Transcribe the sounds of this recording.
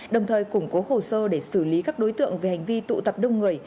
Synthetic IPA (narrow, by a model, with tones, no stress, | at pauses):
ɗə˨˩wŋ͡mt̪ʰəː˨˩jkʊ˧˩ŋ͡mko˨˦ho˨˩səː˧ɗe˧˩sɨ˧˩li˨˦kaː˦˥k̚ɗo˨˦jt̪ɨ̰˧˨əŋve˨˩ha˨˩jŋ̟vi˧t̪ṵ˧˨t̪ə˨˩p̚ɗə˧wŋ͡mŋɨ˨˩əj